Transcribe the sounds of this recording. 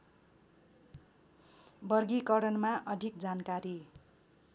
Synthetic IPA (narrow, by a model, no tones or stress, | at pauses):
bʌrɡikʌɾʌnmaʔʌd̪ʱik̚d͡zankaɾi